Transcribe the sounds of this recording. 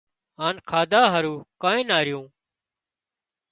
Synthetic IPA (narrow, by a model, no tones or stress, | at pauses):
aːnkʰaːd̪aːɦəɾũːkãːẽːnaːɾɪjũː